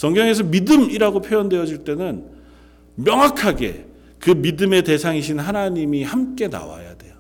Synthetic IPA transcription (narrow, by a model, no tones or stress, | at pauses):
sʌŋɡjʌŋe̞s̬ʰʌmidɯmiɾaɡopʰjojʌndwe̞jʌd͡ʑiɭt͈e̞nɯn | mjʌŋakʰaɡe̞̰ | kɯmidɯme̞te̞sʰaŋiɕ̬ʰinɦanaɲimihamk͈e̞na̰wa̰ja̰de̞jo